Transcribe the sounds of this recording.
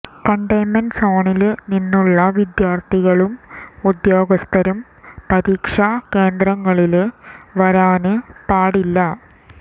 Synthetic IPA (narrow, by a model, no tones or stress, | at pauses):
kɐɳɖɐjnɐnsoːɳilninːuɭːɐʋid̪jaːrt̪ʰiɣɐɭumud̪jo̞ːɡɐst̪ʰɐɾum | pɐɾiːkʂɐke̞ːnd̪rɐŋːɐɭilʋɐɾaːnɨpaːɽilːɐ